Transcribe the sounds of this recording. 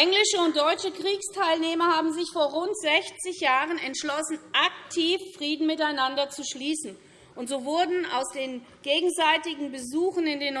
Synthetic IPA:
ʔɛŋlɪʃəʊnt̚d̥ɔʏt͡ʃəkʁ̥iːkstʰaɪlneːmɐhaːbm̩zɪçfoːɐʁʊntz̥ɛçt͡sɪçjaːʁənɛntʃlɔsn̩ʔaktʰiːfːʁ̥iːdn̩mɪtaɪnandɐt͡suʃliːsn̩ | ʔʊntz̥oːvʊɐdn̩a̰ʊsd̥eːn | ɡ̥eːɡŋ̩zaɪtɪɡŋ̩bəzuːxn̩ɪndeːnː

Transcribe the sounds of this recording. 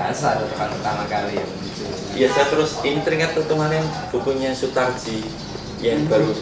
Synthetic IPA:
asadɔkanurt̪amakali | jasat̪əɾʊsinit̪ɾiŋat̪̚ːut̪umanɛŋb̥ukuɲasut̪ar̥d͡ʒ̥i | jaŋb̥a̤ɾu

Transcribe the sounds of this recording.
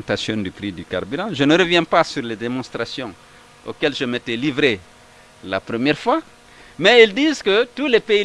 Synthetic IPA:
t̪asjɔ̃d̪ypɾid̪yka̰ʁbyʁɑ̃ʒənəɾəvjɛ̃pasyʁled̪emɔ̃st̪ʁasjɔ̃ | o̰kɛlʒəmet̪ɛlivɾe | lapɾəmjɛʁfwa | mɛild̪iːzkət̪ulepei

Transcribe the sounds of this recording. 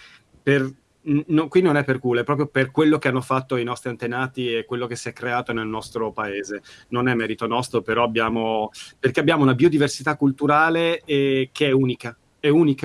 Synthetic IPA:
per | nokwinːonɛpːerkuloɛpːɾɔːp̬ɾjoperkwelːok̟eanːofat̪ːoajnɔst̪ɾiant̪enaːt̪iekwelːok̟esːiɛkːɾeaːt̪onelnɔst̪ɾopaeːzenonɛmːɛːɾit̪onɔst̪ɾopeɾɔabːjaːmoperkeabːjaːmounabiod̪iversit̪akːult̪uɾaːleɛkʰeɛuːnika | ɛuːnika

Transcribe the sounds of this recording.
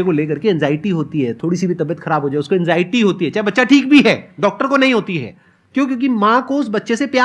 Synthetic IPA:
ekoleːkɐɾkeɛ̃nzaːɪʈiɦoːt̪iɦɛːt̪ʰoːɽisibʱit̪ɐbijət̪xɐɾaːbʱɦoːd͡ʒaːɛʊskoɛ̃nzaːɪʈiɦoːt̪iɦɛt͡ʃaːɦebɐtːʃaʈʰiːk̚bʱiɦɛːɖɔːk̚ʈəɾkonɐɦĩɦoːt̪iɦɛ̰ː | kjõːk̬jõːkimãkoʊsbɐtːʃesepjaː

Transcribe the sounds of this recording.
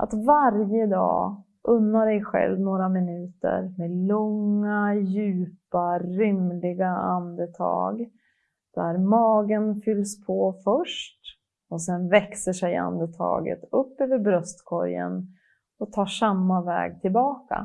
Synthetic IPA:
ʔa̰t̪vaɾjəd̪ɑ̰ː | ʔɵnːaɾɛjɧɛ̰lvnoːɾamɪnʉ̟ːt̪ə̰ɾmeːlɔŋːajʉ̟ːpaɾʏmlɪɡaand̪ət̪ʰɑ̰ːɡ | d̪̥æɾmɑːɡənfʏlːspʰɔfœʂʈ | ɔsɛnvɛksəʂɛja̰nd̪ət̪ʰɑ̰ːɡə̰t̪ɵpːøːvəɾbɾœst̪kʰɔ̰ɾjə̰n | ɔt̪ʰɑːʂamːavɛ̰ːɡ̚t̪ʰɪlbɑːka̰

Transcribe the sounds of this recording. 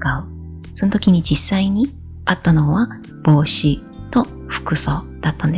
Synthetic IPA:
kaɯ | sonot̪o̞kʲiɲ̟id͡ʑisːaiɲ̟i | at̪ːano̞βa | b̥o̞ːɕi | t̪o̞ | ɸɯ̥kɯ̟so̞d̪̥at̪ːãnd̪e

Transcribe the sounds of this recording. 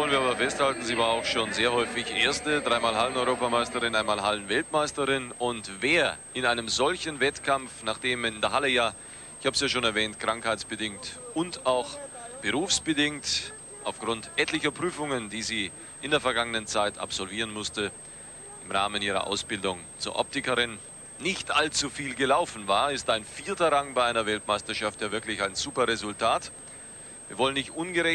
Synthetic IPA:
ɔənviːɐaːbɐfɛsthaltn̩ziːvaːɐaʊxʃoːnzeːɐhɔʏfɪçʔeːɐstəd̥ʁaɪmaːlɦalənɔʏʁoːpamaɪstəʁɪnʔaɪnmaːlɦalənvɛltmaɪstəʁɪnʊntveːɐʔɪnaɪnəmzɔlçənvɛtkʰamfnaːχd̥eːmɪndɛɐɦaləjaː | ɪçhaːbəsjaːʃoːnɛɐvɛːntkʁ̥aŋkhaɪt͡sb̥ədɪŋtʊntaʊxb̥əʁuːfsb̥ədɪŋt | ʔaʊfɡ̥ʁʊntʔɛtlɪçɐpʁ̥yːfʊŋənd̥iːziː | ʔɪndeːɐfɛɐɡaŋənənt͡saɪta̰psz̥ɔlviːʁ̞ənmʊstə | ʔɪmʁaːməniːʁɐ̰ʔa̰ʊsb̥ɪldʊŋt͡sṵːɐʔɔ̰p̚tɪkəʁɪnː | ɪçtʔalt͡sufiːlɡəlaʊfn̩vaːɐɪstaɪnfiːɐtɐʁaŋbaɪʔaɪnɐvɛltmaɪstɐʃaftjaːvɪɐklɪçaɪnzuːpɐʁezʊltʰaːt | viːɐvɔlənɪçtʔʊnɡəʁɛ

